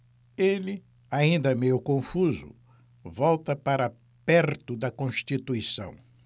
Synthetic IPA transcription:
elɪ | aĩnd̪ɐmejʊkõfuzʊ̰ | vɔwt̪ɐpaɾɐ | pɛɾt̪ʊd̪ɐkõʃt͡ʃit̪uisɐ̰̃w̃

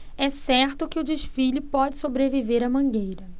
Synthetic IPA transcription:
ɛsɛɾt̪ʊkɪʊd͡ʒɪʃfiʎʊpɔd͡ʒɪsobɾeviveɾɐmɐ̃ŋɡejɾɐ

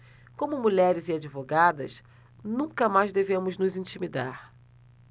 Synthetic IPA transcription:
kõmʊmuʎɛɾɪzɪad͡ʒivoɡad̪ɐ̰s | nũkɐmajzd̪evẽmʊznʊzĩnt͡ʃimid̪aɾ

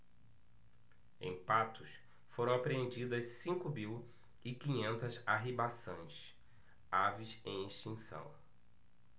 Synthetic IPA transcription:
ḛ̃j̃pat̪ʊs | foɾɐ̃w̃apɾeẽnd͡ʒid̪ɐssĩŋkʊmiw | ɪkĩɲẽnt̪ɐzaɦibasɐ̃j̃s | avisẽj̃iʃt͡ʃĩsɐ̰̃w̃

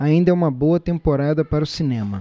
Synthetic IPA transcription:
aĩnd̪ɐɛũmɐbowɐt̪ẽmpoɾad̪ɐpaɾɐʊsinẽmɐ̰

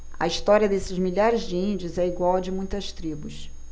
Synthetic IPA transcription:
ɐ̰iʃt̪ɔɾiɐd̪esɪzmiʎaɾɪzd͡ʒɪĩnd͡ʒʊzɛiɡwawd͡ʒɪmũj̃t̪ɐst̪ɾibʊs

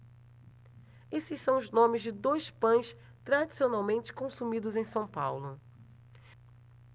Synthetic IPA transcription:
esɪʃsɐ̃w̃ʊznõmɪzd͡ʒɪd̪ojspɐ̃j̃s | t̪ɾad͡ʒisionawmẽnt͡ʃɪ̥kõsumid̪ʊzẽj̃sɐ̃w̃pawlʊ

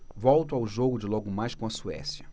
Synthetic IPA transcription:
vɔwt̪ʊawʒoɡʊd͡ʒɪlɔɡʊmajskõɐsuɛ̰sjɐ

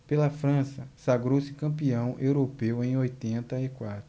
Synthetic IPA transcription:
pelɐfɾɐ̃sɐsaɡɾowsɪ̥kɐ̃mpiɐ̃w̃ʔewɾopewẽj̃ojt̪ẽnt̪ɐikwat̪ɾʊ

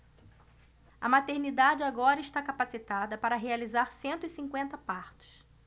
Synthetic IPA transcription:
ɐ̰mat̪eɾnid̪ad͡ʒɪaɡɔɾɐɪʃt̪akapasit̪ad̪ɐpaɾɐɦealizaɾsẽnt̪ʊisĩŋkwẽnt̪ɐpaɾt̪ʊ̥s

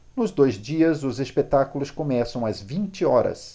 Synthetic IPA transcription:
nʊzd̪ojzd͡ʒiɐzʊzespet̪akulʊskomɛsɐ̃w̃ɐzvĩnt͡ʃɪɔɾɐ̰s

